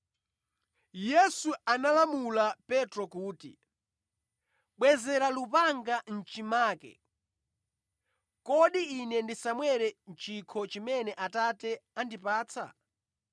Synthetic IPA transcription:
jɛsuanalamulapɛtɾɔkuːtḭ | ɓwɛzɛɾalupaŋɡan̩t͡ʃimaːkɛ̰ | kɔɗiːnɛndisamwɛɾɛnt͡ʃʰikʰɔt͡ʃimɛnɛʔatatɛandipaːt͡sʰa̰

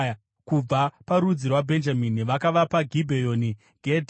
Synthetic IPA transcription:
kub͡vapaɾud͡zirwabʱe̞nd͡ʒaminiʋakaʋapaɡʱibʱejo̞ːni | ɡʱed

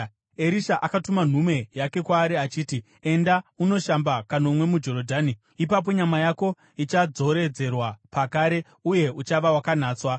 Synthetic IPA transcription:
e̞ɾiʃaʔakatuman̤ume̞jake̞kwaːɾiat͡ʃiːti | e̞ndauno̞ʃambakanomwe̞mud͡ʒo̞ɾodʱaːni | ipap̬o̞ɲamajako̞ | it͡ʃad͡zo̞ɾe̞d͡ze̞rwapakaɾe̞ | uje̞ut͡ʃaʋawakan̤aːt͡swa

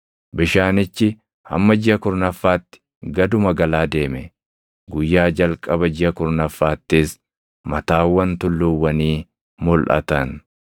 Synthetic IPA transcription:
bɪʃaːnɪt͡ʃːɪ | hɐ̰mːɐd͡ʒɪhɐkʊɾnɐfːaːt̪ːɪ̥ | ɡɐd̪ʊmɐɡɐlaːd̪e̞ːmɛ | ɡʊjːaːd͡ʒɐlkʼɐbɐd͡ʒɪhɐkʊɾnɐfːaːt̪ːɪs | mɐt̪aːwːɐnt̪ʊlːʊwːɐniː | mʊlʔɐ̰t̪ɐn

